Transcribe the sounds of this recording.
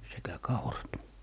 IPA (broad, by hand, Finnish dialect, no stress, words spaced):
sekæ kɑurɑt